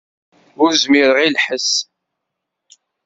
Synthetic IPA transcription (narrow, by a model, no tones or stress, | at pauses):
ʊɾzmiɾəʁilħəs